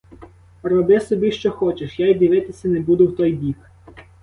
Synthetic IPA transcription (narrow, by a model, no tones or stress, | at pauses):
rɔbɪsɔbʲiʃt͡ʃɔxɔt͡ʃeʃjajd̪ʲiʋɪt̪ɪsʲɐnebud̪ʊwt̪ɔjbʲik